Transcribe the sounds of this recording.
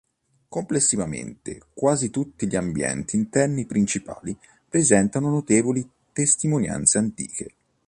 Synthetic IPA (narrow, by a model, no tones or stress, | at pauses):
komplesːivamḛnt̪ḛkwaːzit̪ut̪ːiʎiambjɛ̰nt̪iːnt̪ɛrnipɾint͡ʃipa̰ːli | pɾezɛnt̪anonot̪eːvoli | t̪est̪imonja̰nt̪seant̪ḭːke